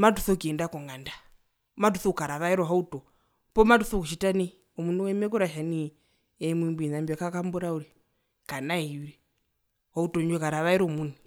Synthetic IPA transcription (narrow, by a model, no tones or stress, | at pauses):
matuθɔkiɛndakɔŋɡanda | matuθɔukaɾaʋaiɾɔɦautɔ | pɔmatuθɔkuʃitani | umunuwɛmɛkuɾaʃani | ɛmimbinambakakambuɾauɾi | kanaiwɾi | hautɔɲd͡ʒɔkaɾaʋaiɾɔmuni